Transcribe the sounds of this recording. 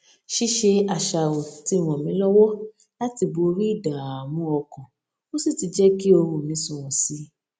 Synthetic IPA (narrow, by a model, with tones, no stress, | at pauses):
ʃi˦ʃe˧a˨ʃa˨wo˨ti˨˦˨w̃ɔ̃˨mĩ˨˦lɔ˦wɔ˦ | la˦ti˧bo˨˧˦ɾi˦i˦˨da˨a˨mũ˨˦ɔ˧kã˨ | mo˦si˦˨ti˧d͡ʒɛ˦ki˦o˧ɾ̃ũ˨mĩ˨˦sũ˨ũ˨si˨˦